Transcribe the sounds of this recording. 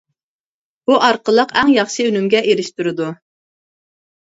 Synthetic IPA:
b̥uʔɑɾqəlˠəqæŋjɑχʃɨønymɡʲɛʔeɾɪʃt̪yɾɪd̪u

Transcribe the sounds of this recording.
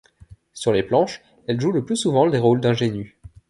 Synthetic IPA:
syʁleplɑ̃ʃ | ɛlʒuləplysuvɑ̃leʁold̪ɛ̃ʒeny

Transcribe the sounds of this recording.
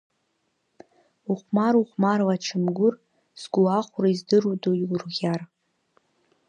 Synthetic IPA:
uχʷmaɾuχʷmarwaʈ͡ʂʰɨmɡʷʊr | sɡʷuaχʷʊraizdɨrudojwrʁʲar

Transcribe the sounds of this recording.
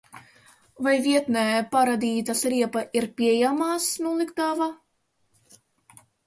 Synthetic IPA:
vajvʲiɛt̪nɛːpaɾad̪ʲiːt̪asɾiɛpaʔiɾpʲiɛjamaːsnulˠikt̪ava

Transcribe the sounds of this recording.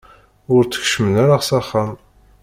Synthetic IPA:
ʊɾt͡sːə̥çʃmənæɾaʁsaχːam

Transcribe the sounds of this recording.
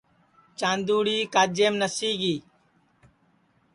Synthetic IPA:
t͡ʃaːnd̪uːɽiːkaːd͡ʒeːmnəsiːɡiː

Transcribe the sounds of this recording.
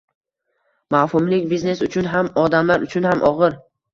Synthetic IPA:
mahʊmlɪkʲbizne̞sʊt͡ʃʰʊnɦamɒd̪amlaɾʊt͡ʃʰʊnhamʔɒʁɨɾ

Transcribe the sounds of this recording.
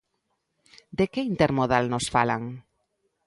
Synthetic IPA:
d̪ekeint̪eɾmoðalnosfalaŋ

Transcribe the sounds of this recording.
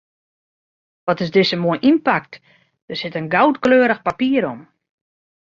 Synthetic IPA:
ʋɔtɪsdɪsəmoəjʔinpak̚t | d̥ərsɪtənɡawtkløːɾəxpapiːəɾɔm

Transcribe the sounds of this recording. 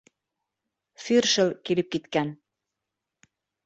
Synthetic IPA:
fyrʃɤ̆lkilɘp̚kit̪kæn

